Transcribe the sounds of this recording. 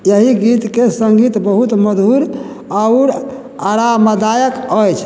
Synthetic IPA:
jəɦiɡit̪kesəŋɡit̪bəɦut̪məd̪ʱuɾ | aʊɾ | aɾaməd̪ajəkəjt͡ʃʰ

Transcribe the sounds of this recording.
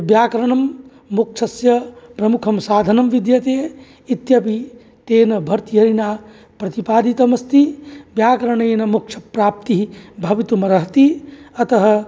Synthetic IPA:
bjaːkɐɾɐɳɐmː | uk̚t͡ʃʰɐsjɐpɾɐmukʰɐmsaːd̪ʱɐnɐmʋid̪jɐt̪eː | it̪jɐpi | t̪eːnɐbʱɐɾt̪ijɐɾinaː | pɾɐt̪ipaːd̪it̪ɐmɐst̪ibjaːkɐɾɐɳeːnɐmuk̚t͡ʃʰɐ̥pɾaːp̚t̪iɦibʱɐʋit̪umɐɾɐɦt̪iɐt̪ɐɦɐ̆

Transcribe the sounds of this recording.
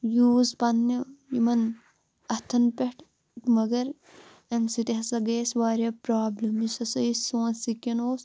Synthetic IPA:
juːzpɐnːijimɐn | ɐt̪ʰɐnpʲeʈʰ | mɐɡɐɾ | ɐnsit̪iɦɐsɐɡeːsʋaːɾjɐpɾaːblɐmisɐsɐisõːsikʲːɐnoːs

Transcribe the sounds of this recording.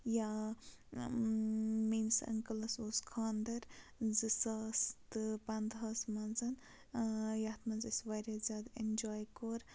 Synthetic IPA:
ja | minsɐ̰ŋkɐlɐsoːskʰaːnd̪ɐɾzisɐst̪ɨpand̪ɦɐsmɐnzɐn | jat̪ʰmɐnzisʋɐjɾɐzʲaːd̪end͡ʒaːjkoɾ

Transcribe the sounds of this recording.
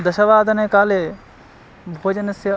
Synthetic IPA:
d̪ɐʃɐʋaːd̪ɐnekaːle | bʱoːd͡ʒɐnɐsjɐ

